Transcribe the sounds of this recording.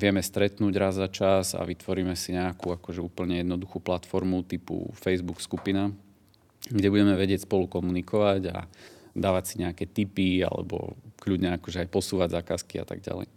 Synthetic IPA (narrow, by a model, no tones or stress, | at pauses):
ʋɪɛmɛst̪ɾɛt̪nuːɟɾazːat͡ʃaza̰ʋit̪ʋɔɾiːmɛsiɲɛakuakɔʒɛuːpl̩ɲɛjɛd̪nɔd̪uxuːplat̪fɔɾmut̪ipṵfɛjzbukskupina | ɡɟɛbuɟɛmɛʋɛɟɪɛcspɔlukɔmunikɔʋaɟa̰d̪aːʋacsiɲɛakɛt̪ipia̰lɛ̰bɔ̰kʎudɲɛakɔʒɛajpɔsuːʋaɟzaːkaskia̰t̪a̰ɡ̚ɟa̰lɛ̰j